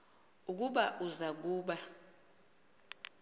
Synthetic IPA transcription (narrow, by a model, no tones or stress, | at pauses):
uk̬uɓaʔuzak̬uːɓa